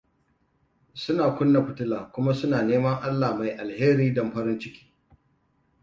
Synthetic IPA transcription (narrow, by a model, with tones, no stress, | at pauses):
sʊ˦naː˨kʷʊ˦nːa˨ɸʊ˨tʊ˦laː˨kʷʊ˦ma˦sʊ˦naː˨neː˦mɐ˦ŋʔa˦lːaː˨ma˨jʔa˨lheː˦ɾiː˦dɐ˨m˦ɸɐ˦ɾɪ˦nt͡ʃɪ˦kʲi̥ː˦